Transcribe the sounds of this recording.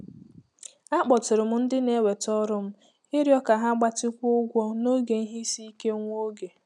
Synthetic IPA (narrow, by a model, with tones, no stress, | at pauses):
a˦k͡pɔ˨tɪ˨ɾɪ˨m̩˦n̩˦dɪ˦ne˦we˨tɔ˦ɾʊ˦m̩˦ | ɪ˦ɾjɔ˦ka˨ɦa˦ɡ͡ba˦tɪ˦kʷʊ˦ʊ˦ɡʷɔ˦no˦ɡe˨n̩˦ɦi˦si˦i˦ke˦ŋʷo˦ɡe˨